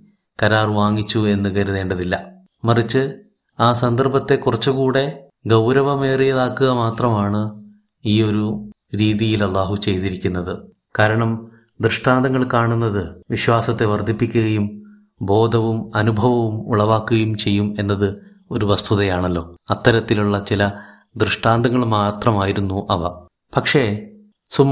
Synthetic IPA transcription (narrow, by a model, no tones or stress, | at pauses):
kɐɾaːrʋaːŋːit͡ɕːue̞nːɨɡɐɾuðe̞ːɳɖɐðilːɐ | mɐrit͡ɕːɨ | aːsɐnd̪ɐrbɐt̪ːe̞kurɐt͡ɕːukuːɽe̞ | ɡɐwɾɐʋɐme̞ːrijɐðaːkːuɣɐmaːt̪rɐmaːɳɨ | iːo̞ɾu | ɾiːðijilɐlːaːɦut͡ɕe̞jt̪iɾikʲːunːɐðɨ | kaːɾɐɳɐm | d̪rɨʂʈaːnd̪ʱɐŋːɐɭkaːɳunːɐðɨʋiɕwaːsɐt̪ːe̞ʋɐrd̪ʱipːikʲːuɣɐjum | bo̞ːd̪ʱɐʋumɐnubʱɐʋɐʋumṵɭɐʋaːkːuɣɐjumt͡ɕe̞jːume̞nːɐðɨo̞ɾuʋɐst̪ʰuðɐjaːɳɐlːo̞ːɐt̪ːɐɾɐt̪ːiluɭːɐt͡ɕilɐ | d̪rɨʂʈaːnd̪ɐŋːɐɭmaːt̪rɐmaːjiɾunːuʔɐʋɐ̰ | pɐkʂe̞ | sumː